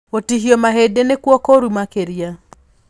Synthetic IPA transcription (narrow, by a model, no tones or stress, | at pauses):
otiɦiomaɦedenekwɔkɔɾumakeɾija